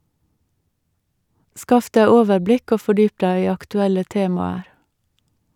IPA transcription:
ˈskɑf ˈdæɪ ˈoːʋəɾˌblɪk ˈoː fɔˈɖyːp ˈdæɪ ˈiː ɑktʉˈɛlə ˈteːmɑəɾ

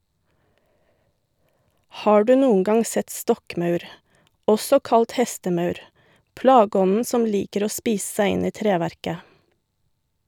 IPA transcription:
ˈhɑː ˈɖʉː ˈnuːəŋ ˈɡɑŋ ˈsɛt ˈstɔkˌmɑʉɾ ˈɔsɔ ˈkɑlt ˈhɛstəˌmɑʉɾ ˈplɑːɡəˌɔnn̩ ˈsɔm ˈliːkəɾ ˈoː ˈspiːs̩ ˈsæɪ ˈɪn ˈiː ˈtɾeːˌʋæɾkə

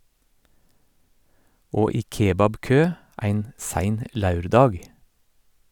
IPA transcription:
ˈoː ˈiː ˈkeːbɑbˌkøː ˈæɪn ˈsæɪn ə ˈlɑʉɾˌdɑːɡ

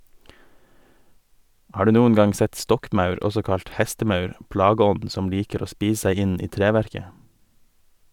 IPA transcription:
ˈhɑːɾ ˈdʉː ˈnuːən ˈɡɑŋ ˈsɛt ˈstɔkˌmɑʉɾ ˈɔsɔ ˈkɑʎt ˈhɛstəˌmɑʉɾ ˈpɽɑˌɡɔn̩d ˈsɔm ˈliːkəɾ ˈoː ˈspiːs ˈseɪ ˈɪn ˈiː ˈtɾeːʋæɾkə

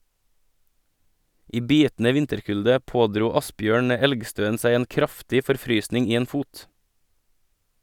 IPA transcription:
ˈiː ˈbiːtn̩ə ˈʋɪntəɾˌkʉldə ˈpoːˌdɾuː ˈɑsˌbjøːɳ ə ˈɛlɡˌstøːən ˈsæɪ ˈeːn ˈkɾɑftɪ fɔɾˈfɾyːsnɪŋ ˈiː ˈeːn ˈfuːt

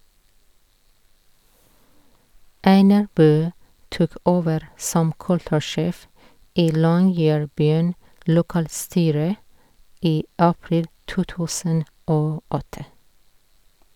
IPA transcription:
ˈæɪnɑɹ ˈbøː ˈtuːk ˈoːʋəɾ ˈsɔm ˈkʉltʉˌʃeːf ˈiː ˈlɔŋjɛɹˌbyːn lʊˈkɑːlˌstyːɾə ˈiː ˈʔɑpɹɪl ˈtuː ˈtʉːsən ˈʔoː ˈʔɔtə

